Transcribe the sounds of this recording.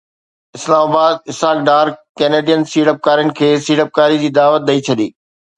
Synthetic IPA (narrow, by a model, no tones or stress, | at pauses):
ɪslaːmaːbaːd̪ɪsɦaːk̚ɖaːɾkɛːneːɖijənsiːɽəp̚kaːɾijənɪ̆kʰeːsiːɽəp̚kaːɾid͡ʑiːd̪aːʋət̪̚d̪ɐit͡ɕʰɐɗ̪ḭː